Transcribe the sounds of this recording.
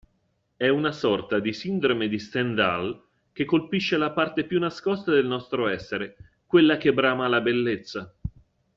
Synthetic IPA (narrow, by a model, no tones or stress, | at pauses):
ɛunasɔrt̪ad̪isind̪ɾomed̪ist̪ɛnd̪al | k̟ekːolpiʃːelapart̪epjunːaskɔst̪ad̪elnɔst̪ɾoɛsːeɾe | kwelːakebɾaːmalabelːet̪sːa